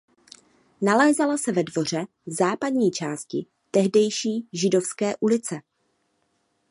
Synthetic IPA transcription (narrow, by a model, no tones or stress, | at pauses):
nalɛːzalasɛvɛdvo̞r̝ɛ | zaːpadɲiːt͡ʃaːscɪ | t̪ɛɦdɛjʃiːʒɪdo̞fskɛːʔulɪt͡sɛ